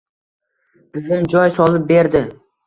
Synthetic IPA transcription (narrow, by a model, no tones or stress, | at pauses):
b̥ɪzɪmd͡ʒɒjsɒlˠɪp̚be̞ɾd̪ɪ